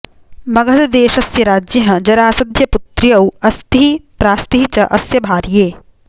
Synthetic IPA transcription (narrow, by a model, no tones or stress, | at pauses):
mɐɡʱɐt̪ɐd̪eːʃɐsjɐɾaːd͡ʒjɐɦɐ̆d͡ʒɐɾaːsɐd̪ʱjɐput̪ɾjɐwɐst̪iipɾaːst̪iɦt͡ʃɐʔɐsjɐbʱaːɾjeː